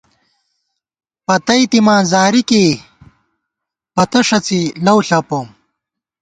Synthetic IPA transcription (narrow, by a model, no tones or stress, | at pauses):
pɐt̪ɐjt̪imãːzaːɾikiː | pɐt̪ɐʂɐt͡silɐwɬɐpom